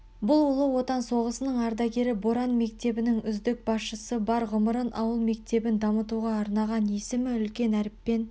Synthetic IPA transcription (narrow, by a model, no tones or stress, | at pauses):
bʊlˠolˠəwo̞t̪ɑnso̞ʁəsənəɴɑɾd̪ɑɡʲe̞ɾɪboɾɑnme̞k̚t̪e̞bɪnɪŋʏzd̪ɪk̚bɑsʃəsəbɑɾʁʊməɾənʔɑ̰wəlˠme̞k̚t̪e̞bɪnd̪ɑmət̪uʁɑːɾnɑʁɑnje̞sɪmɪʏlkʲe̞næɾɪpːe̞n